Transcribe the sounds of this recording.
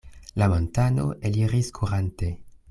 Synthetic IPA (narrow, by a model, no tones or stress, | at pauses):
lamontano̞̰ʔeliʁiskʰuɾante